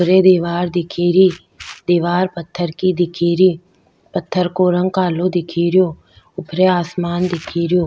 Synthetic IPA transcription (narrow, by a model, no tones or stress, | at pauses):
ʊpɾed̪iːʋaːɾd̪ɪkʰiːɾiː | d̪iːʋaːɾpət̪ʰːəɾkid̪ɪkʰiːɾiː | pət̪ʰːəɾkoːɾə̃ŋɡkaːlod̪ɪkʰiːɾɪjoː | ʊpɾeaːsmaːnd̪ɪkʰiːɾɪjoː